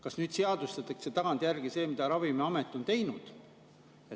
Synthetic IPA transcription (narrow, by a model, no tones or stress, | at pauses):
kɑsnyːd̪̥seɑd̪̥ust̪ɑt̪ːˑɑkset̪ɑɡ̥ɑnt̪jærɡ̥ise̞ːmid̪̥ɑɾɑvimeɑmet̪ːˑo̞nt̪e̞jnud̪̥ | e